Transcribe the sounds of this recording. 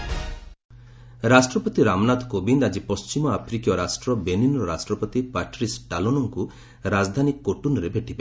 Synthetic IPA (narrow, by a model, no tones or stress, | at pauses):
ɾasʈɾɔpɔt̪iɾamnat̪kobind̪ad͡ʒipɔst͡ʃimɔapʰɾikjɔɾasʈɾɔbeninɔɾɔɾasʈɾɔpɔt̪ipaʈɾisʈalonɔŋku | ɾad͡ʒd̪ʱanikːoʈunɔɾebʱeʈʰibe